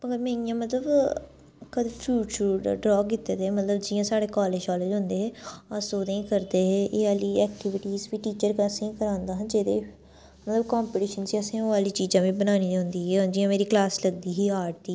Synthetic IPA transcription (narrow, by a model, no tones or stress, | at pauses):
məɡəmẽːnijãːmət̪ləb | kəd̪epʰjuːt͡ʃəɾɖɾɔːkɪt̪ːeːd̪eːmət̪ləbd͡ʒɪjãːsaːɽeːkɔːleːd͡ʒkɔːleːd͡ʒɦʊ̃nd̪eːɦɛːəsoːd̪ẽːkəɾd̪eːɦeːʔeaːliːɛːkʈɪʋɪʈiːzʋiːʈiːt͡ʃəɾkːsĩːkəɾãːnd̪aːɦə̃nd͡ʒeːd̪eː | mət̪ləbkɔːmpɪʈiːʃənsiːəsĩːoaːliːt͡ʃiːd͡ʒãːʋĩːbənaːniːd͡ʒãːnd̪iːɦeːod͡ʒɪjãːmeːɾiːklaːsləɡ̚d̪iːɦiːaːʈd̪iː